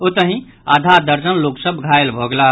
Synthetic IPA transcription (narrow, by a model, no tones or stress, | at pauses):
ot̪əɦĩ | ad̪ʱad̪əɾd͡ʒənloksəbʱɡʱaelbʱoɡela